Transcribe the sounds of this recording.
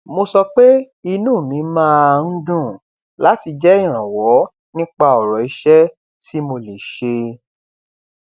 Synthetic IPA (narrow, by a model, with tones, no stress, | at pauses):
mo˧sɔ˧k͡pe˦ | i˧nũː˦˨mĩ˨˦mãː˦a˧n̩˦dũ˦˨ | la˨˦ti˧d͡ʒɛ˦ĩ˦˨ɾ̃ã˨wɔ˨˦ | nĩ˦k͡pa˧ɔ˨ɾɔ˨i˧ʃɛ˦ | ti˦mo˧le˨ʃe˧